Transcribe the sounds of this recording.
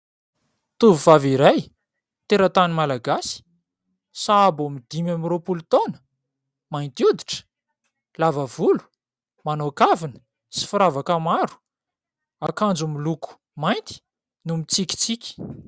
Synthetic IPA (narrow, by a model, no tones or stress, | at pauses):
t̪uvuvaviɾaj | t̪eɾət̪animalaɡasi̥ | saːbomid̪imamiɾopulut̪onə̥ | majnt̪iud̪iʈ͡ʂə̥ | lavəvulu̥ | manokavinə̥ | si̥fuɾavakamaɾu̥ | akand͡zumiluku̥ | majnt̪i̥ | numit͡sikʲi̥t͡sikʲi̥